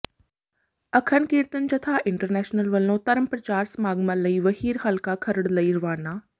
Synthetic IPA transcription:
ɐkʰənkiːɾt̪ənd͡ʒɐt̪ʰaːʔɪɳʈəɾnɛːʃnəlʋɐlõːt̪ɐɾəmpɾɐt͡ʃaːɾsmaːɡmãləiʋɐɦiːɾɦɐlkakʰɐɾəɽlɐiɾʊʋaːnaː

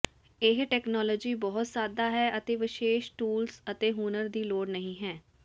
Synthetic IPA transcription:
ɪɦʈɛːknɔːlɔːd͡ʒiːbɔːt̪saːd̪aːɦɛːʔət̪eːʋɪʃeːʃʈuːlsət̪eːɦuːnəɾd̪iːloːɽnəɦĩːɦɛː

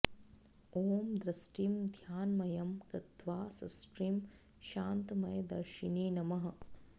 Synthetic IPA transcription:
oːmd̪ɾɐsʈimd̪ʱjaːnmɐjɐmkɾɐt̪ʋaːsɐ̰sʈɾim | ʃaːnt̪mɐjɐd̪ɐ̰ɾʃiniːnɐmɐɦɐ̆

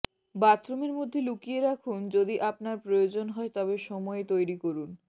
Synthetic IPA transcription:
bat̪ɾomeɾmod̪ʱːelukijeɾakʰund͡ʑod̪iʔapnaɾpɾojod͡ʑonɦɔet̪ɔbeʃɔmɔet̪ojɾikoɾun

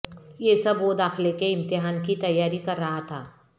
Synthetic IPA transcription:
jesɐbʋod̪aːxɪlekeɪ̃mt̪ɪɦaːnkit̪ɐjːaːɾikɐɾːɐɦat̪ʰaː

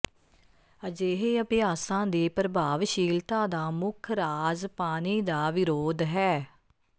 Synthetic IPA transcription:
əd͡ʒeːɦeːəpɪjaːsãːd̪iːpɾəbaːʋʃiːlt̪ãːd̪aːmʊkʰɾaːzpaːniːd̪aːʋɪɾoːd̪ɦɛː

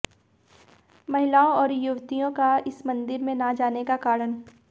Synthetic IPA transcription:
mɐɦɪlaːõɔːɾjʊʋt̪ijõkaɪsmɐ̃nd̪ɪɾmẽnad͡ʒaːnekakaːɾən

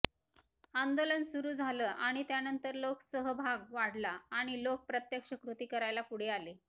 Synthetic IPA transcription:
and̪olənsuɾuːd͡zʱaləːʔaɽ̃it̪janənt̪əɾloksəɦəbʱaɡʋaɽlaːɽ̃ilok̚pɾət̪jəkʂəkɾut̪iːkəɾajlapuɽ̤ealeː

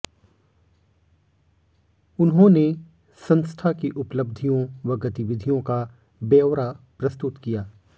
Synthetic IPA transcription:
ʊnɦõne | sɐ̃nst̪ʰakiʔʊpləbd̪ʱijõʋɐɡɐt̪iʋɪd̪ʱijõka | beːʋɾapɾɐst̪ʊt̪kijaː

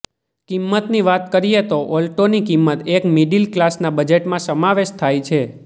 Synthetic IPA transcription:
kimːət̪niʋat̪kəɾijet̪oʔɔlʈonikimːət̪ekmiɖilklasnabəd͡ʒeʈmãsəmaʋeʃt̪ʰajt͡ʃʰe

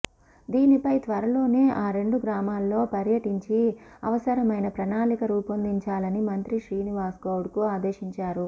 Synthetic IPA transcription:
d̪iːnipɐjt̪ʋɐɾɐlo̞ːne̞ːʔaːɾe̞ɳɖuɡɾaːmaːlːo̞ːpɐɾjɐʈiɲt͡ʃiɐʋɐsɐɾɐmɐjnɐpɾɐnaːlikɐɾuːpɐnd̪iɲt͡ʃaːlɐnimɐnt̪ɾiʃɾiːniʋaːsɡɐwɽkuaːd̪eːʃiɲt͡ʃaːɾu

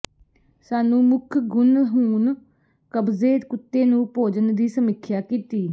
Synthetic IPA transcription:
saːnũːmʊkʰɡʊnɦuːn | kəbzeːd̪kʊt̪ːeːnũːpoːd͡ʒənd̪iːsəmɪkʰjaːkiːt̪iː

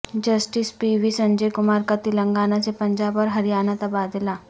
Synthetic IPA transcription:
d͡ʒɐsʈispiʋisɐ̃ɲd͡ʒejkʊmaːɾkat̪iləŋɡaːnasepɐɲd͡ʒaːbɔɾɦɐɾijaːnat̪ɐbaːd̪ɪlaː

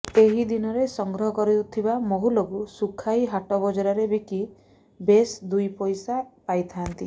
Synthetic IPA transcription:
eɦid̪inɔɾesɔŋɡɾɔɦɔkɔɾit̪ʰibamoɦuloɡusukʰajɦaʈɔbɔd͡ʒɔɾaɾebiki | besd̪ujpɔjsapajt̪ʰant̪i

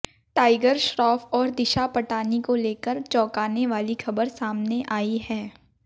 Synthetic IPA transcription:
ʈaːɪɡəɾʃɾɔːfɔːɾd̪ɪʃapɐʈaːnikoleːkəɾt͡ʃɔːkaːneʋaːlixɐbəɾsaːmneʔaːiɦɛː

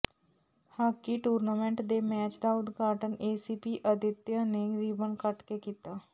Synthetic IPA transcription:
haːkiʈuːɾnaːmẽɳʈd̪emɛːt͡ʃd̪aʊd̪ɡaːʈəneːsiːpiʔəd̪ɪt̪janeɾiːbənkəʈkekiːt̪aː

